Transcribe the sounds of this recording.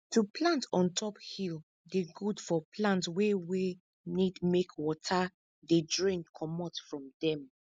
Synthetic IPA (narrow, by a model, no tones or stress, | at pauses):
tuplãntɔ̃ntʰɔphil | deɡudfɔpʰlãntwewe | nidmekwɔtʰa | dedɹĩnkʰɔmɔtfɹɔ̃mdɛ̃m